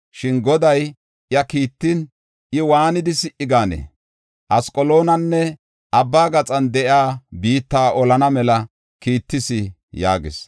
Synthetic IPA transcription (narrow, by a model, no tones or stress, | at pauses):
ʃɪnɡɔd̪ɐj | jɐkiːt̪ːɪn | ʔɪwaːnɪd̪ɪsɪʔɪɡaːnḛː | ʔɐskʼɔlo̞ːnɐnːɛ | ʔɐbːaːɡɐt͡sʼɐnd̪ɛʔjaːbiːt̪ːaːʔɔlɐnɐmɛlɐ | kiːt̪ːɪsɪ | ja̰ːɡɪ̰s